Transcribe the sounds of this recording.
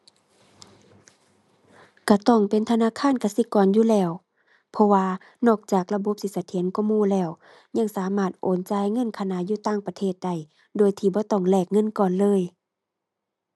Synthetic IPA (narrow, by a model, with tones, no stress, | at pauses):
ka˧˩t̪ɔː˧˩ŋpe˨nt̪ʰa˧naː˧˥˨kʰaː˧˥˨nka˧si˧˦kɔː˨njuː˧˨lɛː˧˩˨w | pʰɔ˧waː˧ | nɔː˧˩k̚t͡ɕaː˨˩k̚la˧bo˧˦p̚si˧˦sa˧t̪ʰe˨˦nkɔ˧˥˨muː˧˨lɛː˧˩˨w | ɲa˧˥˨ŋsaː˨˦maː˧˩t̪̚ʔoː˨˦nt͡ɕaː˧˦jŋɤ˧˥˨nkʰa˧na˧˨juː˧˦t̪aː˧˥˨ŋpa˧t̪ʰeː˧˩t̪̚da˧˩j | doː˧˨jt̪ʰiː˧˩bɔː˧˦t̪ɔ˧˩ŋlɛː˧˩k̚ŋɤ˧˥˨nkɔː˧˨nlɤː˧˥˨j